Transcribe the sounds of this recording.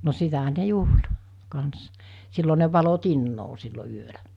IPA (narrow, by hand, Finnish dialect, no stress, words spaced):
no sitæhæ ne juhl kɑns silːo ne ʋɑlo tinːoː silːo yølæ